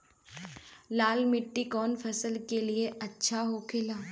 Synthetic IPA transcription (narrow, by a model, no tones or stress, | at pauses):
laːlmɪʈːikɔːnfʰɐsəlkelieɐtːʃʰaɦokʰeːlaː